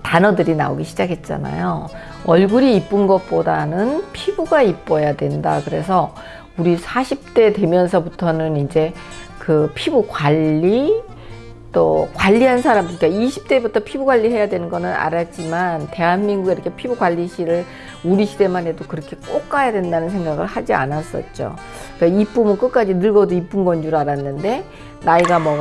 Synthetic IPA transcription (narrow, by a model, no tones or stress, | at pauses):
tanʌdɯɾina̰o̰ɡiɕʰid͡ʑakʰe̞t̚t͡ɕ͈a̰na̰jo | ʌɭɡuɾiːp͈ɯnɡʌt̚p͈odanɯnpʰibuɡaip͈ʌjadwe̞ndakɯɾe̞sʰʌ | uɾisʰaɕʰip̚t͈e̞dwe̞mjʌns̬ʰʌbutʰʌnɯnind͡ʑe̞ | kɯpʰibukwaʎːi | t͈okwaʎːiɦansʰaɾambuɲik͈aiɕʰi̥p̚t͈e̞butʰʌpʰibuɡwaʎːiɦe̞jadwe̞nɯnɡʌnɯna̰ɾat̚t͡ɕ͈imante̞ɦanmiŋɡuɡeiɾʌkʰe̞pʰibuɡwaʎːiɕʰiɾɯɭ | uɾiɕʰide̞mane̞dokɯɾʌkʰe̞k͈ok͈ajadwe̞ndanɯnsʰe̞ŋɡaɡɯɭhad͡ʑia̰nas͈ʌ̰t̚t͡ɕ͈o̰ | kɯɾeip͈umɯk͈ɯk͈ad͡ʑinɯɭɡʌdoip͈ɯnɡʌnd͡ʑuɾaɾanːɯnde̞ | naiɡamʌ